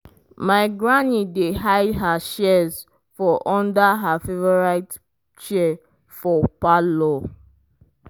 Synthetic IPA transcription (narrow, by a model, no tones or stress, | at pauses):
maɪɡɹanideɦaɪdɦaʃɛz | fɔʔɔ̃ndaɦafevɔɹaɪt | t͡ʃɛ | fɔpalɔ